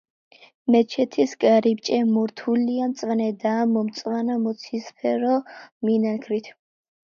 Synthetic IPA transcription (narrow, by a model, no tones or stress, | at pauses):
mɛt͡ʃʰɛt̪ʰisɡʼaɾip̚t͡ʃʼɛmɔɾt̪ʰuliamt̪sʼvanɛd̪aːmɔmt̪sʼwanamɔt̪sʰispʰɛɾɔminakʰɾit̪ʰ